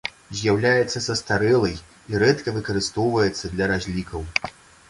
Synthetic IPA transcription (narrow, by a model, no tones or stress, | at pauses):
zʲjawlʲajɛt̪sːɐsɐst̪aɾɛlˠɐj | iɾɛt̪kɐvɨkɐɾɨst̪ɔwvɐjɛt̪sːɐd̪lʲɐɾazʲlʲikɐw